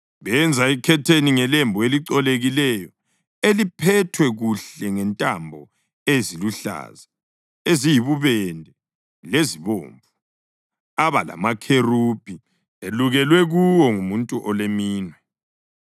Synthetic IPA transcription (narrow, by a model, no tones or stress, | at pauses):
βɛnd͡zʱaikʰɛtʰeniŋɛlembʱɔeliǀɔleɣilɛjɔ | elipʰɛtʰwɛɣuɬɛŋɛntʼambʱɔ | eziluɬa̰ːza | ezijiβuβɛndʱɛ | leziβo̰ːɱvu | aβala̰makʰerupʰʼi | eluɣɛlwɛɣuwɔŋumuntʼuʔɔlemiːnwɛ